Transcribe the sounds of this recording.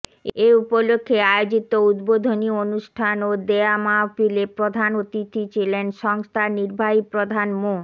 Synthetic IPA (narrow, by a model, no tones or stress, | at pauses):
eupolokʰːeaeod͡ʑit̪oud̪bod̪ʱonionuʃʈʰanod̪eamafilepɾod̪ʱanot̪it̪ʰit͡ɕʰilenʃɔŋst̪ʰaniɾbʱaɦipɾod̪ʱanmo